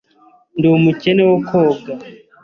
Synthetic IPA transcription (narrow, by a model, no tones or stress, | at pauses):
ndumucenewokʰoːɡa